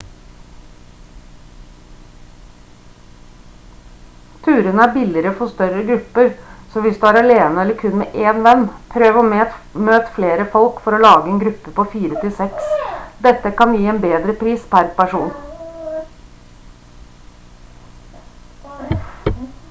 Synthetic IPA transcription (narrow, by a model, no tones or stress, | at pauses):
t̪ʰʉːɾənəæːbɪlɪɾəfɔst̪œɾəɡɾʉpəɾsoːʋɪsd̪ʉːæːɾɑleːnəɛləɾkʰʉnmḛːʔeːnʋɛnpʰɾøːʋomøːt̪fleːɾəfɔlkfɔɾoːlɑːɡəeːnɡɾʉpːəpoːfiːɾət̪ʰɪlsɛksd̪ɛt̪əkɑnʋjiːeːnbeːd̪ɾəpʰɾiːspʰæɾpæʂuːn